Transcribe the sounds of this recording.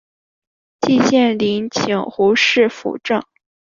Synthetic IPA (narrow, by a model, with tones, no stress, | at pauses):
t͡ɕi˥˧ɕjɛ˥˩nli˧˥nt͡ɕʰi˨˩ŋxu˧˥ʂɻ̩˥˩fṵ˨˩ʈ͡ʂɤ˥˩ŋ